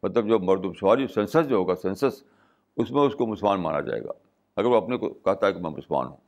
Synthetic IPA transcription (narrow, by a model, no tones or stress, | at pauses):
mɐt̪ləbd͡ʒoːmɐɾd̪ubsʊʋaːɾiosɛ̃ːnsəsd͡ʒoɦoːɡasɛ̃ːnsəs | ʊsmẽʊskomʊsəlmaːnma̰ːna̰d͡ʒa̰ːḛːɡa̰ː | ɐɡəɾʋoɐpneko̰kɐɦt̪aɦɛkemɛ̃mʊ̰səlma̰ːnɦṵ̃ː